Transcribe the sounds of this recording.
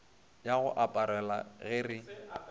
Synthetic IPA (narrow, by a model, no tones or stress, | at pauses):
jaɣʊ̰ʔapʼaɾɛla̰ɣɪrɪ